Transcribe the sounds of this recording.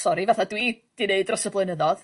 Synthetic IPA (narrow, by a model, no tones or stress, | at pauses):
sɔɾivaθadwid̥ɪneɨdrɔsəblˠəɨnəðɔð